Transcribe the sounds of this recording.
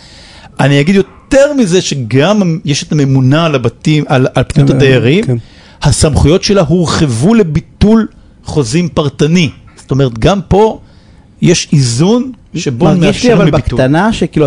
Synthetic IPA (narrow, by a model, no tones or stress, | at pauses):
anijaɡid̪jo̞t̪e̞ʁmizeʃe̞ɡamjeʃet̪ame̞munalabatimalalpnijutad̪ejaʁim | hasamχujo̞tʃe̞laɦuʁχevule̞bit̪ul | χo̞zimpaʁtaniz̥oto̞me̞ʁet̪ɡampo̞ | jeʃizunʃebomeiʃiavalmibikutanaʃekilu